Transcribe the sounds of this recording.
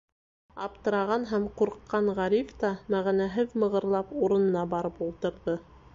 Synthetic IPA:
ɑp̚t̪ɤ̆ɾɑʁɑnɦæmquɾqːɑɴʁɑɾift̪ɑmæʁænæɦɘðmɤ̆ʁɤ̆ɾlˠɑpuɾɤ̆nɤ̆nɑbɑɾɤpulˠt̪ɤ̆ɾðɤ

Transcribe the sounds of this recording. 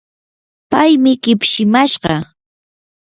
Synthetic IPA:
pajmɪkɪpʃɪmaʃɢɑ

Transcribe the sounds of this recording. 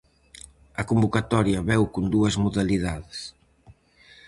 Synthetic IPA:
ɐkombukat̪ɔɾjɐβɛwkond̪uɐzmuðaliðaðes

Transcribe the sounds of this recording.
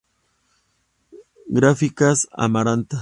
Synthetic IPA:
ɡɾafikasa̰maɾant̪a

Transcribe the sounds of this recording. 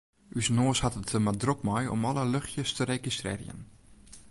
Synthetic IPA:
ʔysnoːshatətəmadrok̚mɔjɔ̰mɔləløxjəstʰəɾekistrɪ̰ːrjə̰n

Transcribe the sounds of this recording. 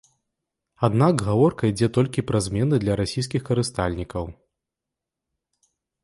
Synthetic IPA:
ad̪nakɣavɔrkɐid͡zʲɛt̪ɔlʲkʲipɾɐzʲmʲɛnɨd̪lʲɐɾasʲijs̬kʲixkɐɾɨst̪alʲnʲikɐw

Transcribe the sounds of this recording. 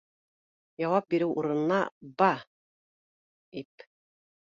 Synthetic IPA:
jɑwɑp̚biɾɘwʔuɾɤ̆nɤ̆nɑbɑ | ip

